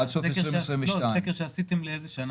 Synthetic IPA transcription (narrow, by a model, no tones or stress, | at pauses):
adsoseʁisʁĩmvloajekeʃeasit̪emleezeʃana